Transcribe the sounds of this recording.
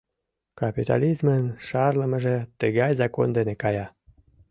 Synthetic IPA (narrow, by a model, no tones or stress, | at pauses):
kɑpit̪ɑ̰lʲizmənʃɑrləməʒĕt̪əɣɑjzɑkond̪enekɑjɑ